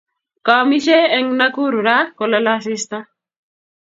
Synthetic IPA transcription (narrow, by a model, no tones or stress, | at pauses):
kamiʃeɛŋnakuɾuɾakɔlalas̬ɪst̪a